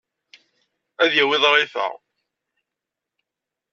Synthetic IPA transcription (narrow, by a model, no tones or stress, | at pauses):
æðjæwɪðˤɑɾˤiθə̰ʁ